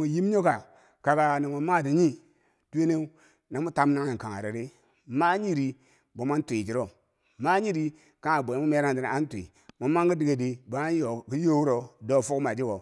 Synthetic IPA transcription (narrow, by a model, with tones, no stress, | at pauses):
u˨ji˦m˦ɲo˦ka˨ | ka˨ka˨na˨mo˨ma˦˨di˨ɲi˦ | tu˦e˦ne˦u˦ | na˨mu˦ta˦m˦na˦ŋ˦i˨ka˨ŋa̰˨ɾi˨ɾi˦ | ma˦ɲi˦ɾi˨ | bo˨˦ma˦n˦tʷi˨d͡ʒi˨ɾo˦ | ma˦ɲi˦ɾi˦ | ka˦ŋa˨bʷo˨˦mu˦me˦ɾa˦ŋ˨di˨n˨a˦n˦tʷḭ˨ | mo˨ma˦ŋɡi˦di˨ɡe˨di˨bo˨ma˦n˦jo˨ki˦jo˦wu˦ɾo˨do˦˨fu˦kma˨d͡ʒi˦ɡo˨